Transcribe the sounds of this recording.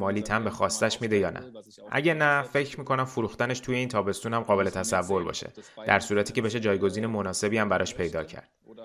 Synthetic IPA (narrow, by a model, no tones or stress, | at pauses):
mɒːliːt̪ʰæmbe̞xɒːst̪æʃmiːd̪ejɒːnʔæ̰ | ʔæ̰ɟenæfe̞cʰɾmiːkʰo̞næmfuɾuːxt̪æne̞ʃt̪ʰuːje̞iːnt̪ʰɒːbe̞st̪uːnhæmɢɒːbe̞le̞t̪ʰæsævːo̞ɾbɒ̰ːʃe̞̰d̪̥æɾsuːɾæt̪ʰiːcʰee̞ʃe̞d͡ʒɒːjɡo̞ziːne̞mo̞nɒːse̞biːæmbæɾɒ̰ːʃpʰejd̪ɒːcʰæ̰ɾd̪̥